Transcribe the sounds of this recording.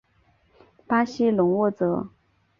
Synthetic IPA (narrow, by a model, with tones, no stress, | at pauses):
pa˥ɕi˥lʊ˧˥ŋwɔ˥˩t͡sɤ˧˥˦